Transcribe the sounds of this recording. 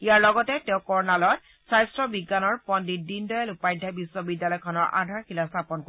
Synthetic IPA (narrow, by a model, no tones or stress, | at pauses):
ijaɹlɔɡɔtɛtɛʊ̃kɔɹnalɔt̚ | sajstɹɔbiɡːanɔɹpɔndidindɔjalupajdʱːabiswɔbidjalɔjkʰɔnɔɹʔa̰dʱaɹkilastʰapɔnko